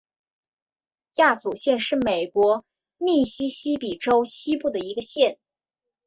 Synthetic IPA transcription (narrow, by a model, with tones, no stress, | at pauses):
ja˥˩t͡su˨˩ɕjɛ˥˧nʂɻ̩˥˩me˨˩ɪkwɔ˧˥ | mi˥˩ɕi˥ɕi˥pi˨˩ʈ͡ʂo˥ʊɕi˥pu˥˩d̪ə˩i˧˥ɡə˧ɕjɛ˥˩n